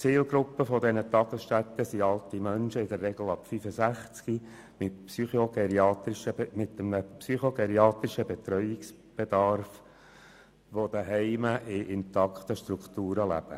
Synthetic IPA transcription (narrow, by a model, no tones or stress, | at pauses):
t͡siːlɡɾʊpːəfɔd̪ɛnət̪ɑɡ̥əsʃtæt̪ːəsiɑlˠt̪imœnʃəɪd̪ərːɛɡ̥l̩ɑpfyfəsæχt͡ski | mɪtpsyχoɡɛɾiɑːt̪ɪʃəmɪt̪ːəmnəpsyχoɡɛɾiɑːt̪ɾɪʃəbɛt̪ɾœʏɪks | b̥ed̪ɑɾf | ʋod̥̪əɦɛɪməʔɪʔɪnt̪ɑkʰt̪əʃt̪ɾukt̪uːɾəlæ̰b̥ə̰